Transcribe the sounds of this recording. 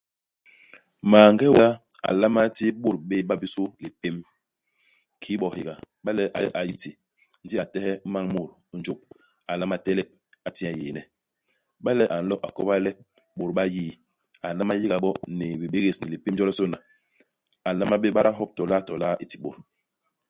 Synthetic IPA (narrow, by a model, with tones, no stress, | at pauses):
maː˨ŋ˦ɡɛ˦wa˦ | a̰˨la˦ma˦ti˦ɓo˦˨ɾɓe˦ɓa˦bi˦so˦li˨pe˦m | kʰi˦ɓɔ˨hi˨ɡa˨ | ɓa˦lɛ˦ʔa̰˨˦ʔa˨ji˦ti˨ | n̩˦di˦a˨tɛ˦hɛ˦ma˦ŋmo˦˨ɾn˦d͡ʒu˦p̚ | a˨la˦ma˦tɛ˦lɛ˦p̚ | a˨ti˦a˨je˨nɛ˨ | ɓa˦lɛ˦ʔa˨n̩˨˦lɔ˦ʔa˨kɔ˦pa˦lɛ˦p̚ | ɓo˨ɾɓa˦jiː˦˨ | a˨la˦ma˦ji˦ɡa˨ɓɔ˦ne˨bi˨ɓe˦ɣe˨sni˨li˨pe˦md͡ʒɔ˦lɔ˦so˦na˨ | a˨la˦ma˦ɓe˦ɓa˦ɾa˦ɦɔ˦p̚tɔ˨la˦˨tɔ˨la˦i˨ti̥˨ɓo˨ɾ